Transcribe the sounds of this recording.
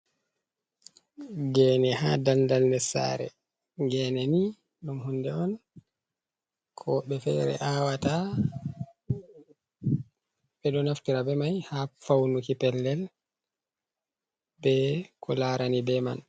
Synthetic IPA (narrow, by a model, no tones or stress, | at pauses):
ɡɛːnɛhadandalnɛsa̰ːɾɛ̰ | ɡɛnɛni | ɗumhundɛɔn | kʰɔɓɛfɛ̰ɾɛ̰ʔawata | ɓɛɗɔnaftiɾabɛmajhafawnukipɛlːɛl | bɛkʰɔlaːɾanibɛma̰n